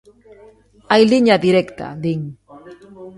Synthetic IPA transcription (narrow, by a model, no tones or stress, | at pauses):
ajliɲaðiɾekt̪a̰ðiŋ